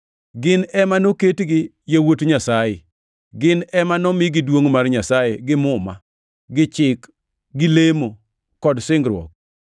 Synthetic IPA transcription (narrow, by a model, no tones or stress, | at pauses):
ɡɪnɛmanoketɡɪ | jewotɲasaje | ɡɪnɛmanɔmɪɡɪdwoŋmarɲasajeɡɪmʊma | ɡɪt͡ʃɪk | ɡɪlemo | kɔdsɪŋɡɾwɔ̰k̚